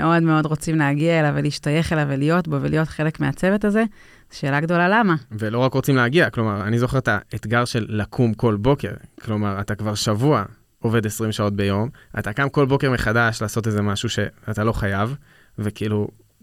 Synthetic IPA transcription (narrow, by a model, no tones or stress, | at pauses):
meʔo̞dmeo̞dʁot͡simleaɡiaelaveliʃtaje̞χelavelijo̞tbovelijo̞tχe̞le̞kmeat͡se̞vet̬aze̞ | zeʃe̞ːlaɡdo̞lalamavelo̞ʁakʁo̞t͡simleaɡiaklo̞maʁanizo̞χeʁet̪aet̪ɡaʁʃe̞lːakʰumko̞lbo̞ke̞ʁklo̞maʁatakvaʁʃavua | o̞ve̞de̞sʁimʃao̞t̚be̞jo̞ma̰takamko̞lbo̞ke̞ʁmeχadaʃlaːso̞t̬ezemaʃuʃe̞atalo̞χajav | vekiiːlu